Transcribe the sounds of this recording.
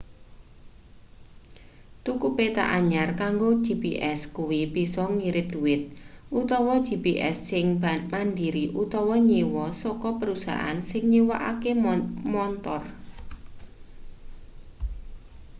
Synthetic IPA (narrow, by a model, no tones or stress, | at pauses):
t̪ukupet̪a̰ʔaɲarkaŋɡo̥ʒ̥ipiʔɛskuwibisɔŋiɾɪt̪̚d̪̥ṳwɪt̪̚ʔut̪ɔwɔ̥d͡ʒ̥ipiʔɛ̰sːɪŋmandiɾiʔut̪ɔwɔɲiwɔsɔkɔpəɾusa̰ɦa̰nsɪŋɲiwaʔa̰kemɔnt̪ɔr